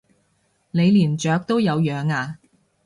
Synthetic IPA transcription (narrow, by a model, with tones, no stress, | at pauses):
le˨˧jliː˨˩nt͡ʃœː˨˧˥k̚t̪o˥wjɐ˨˧wjœː˨˧ŋaː˧